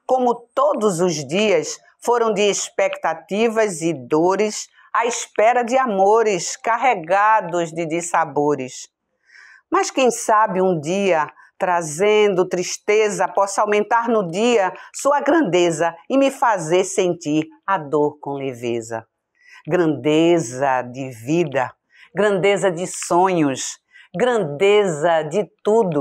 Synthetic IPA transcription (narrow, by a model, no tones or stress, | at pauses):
kõmʊt̪od̪ʊzʊzd̪iɐs | foɾɐ̃w̃d̪ɪespɛkt̪at̪ivɐzɪd̪oɾɪs | aispɛɾɐd͡ʒɪamoɾɪskaɦeɡad̪ʊzd̪ɪd̪ɪsaboɾɪs | mɐskẽj̃sabɪũd̪iɐ | t̪ɾazẽnd̪ʊt̪ɾiʃt̪ezɐpɔsawmẽnt̪aɾnʊdiɐsuɐɡɾɐ̃nd̪ezɐɪmɪfazeɾsẽnt̪iɾad̪oɾkõlevezɐ̰ | ɡɾɐ̃nd̪ezɐd̪ɪvid̪ɐ | ɡɾɐ̃nd̪ezɐd̪ɪsõɲʊs | ɡɾɐ̃nd̪ezɐd̪ɪt̪ud̪ʊ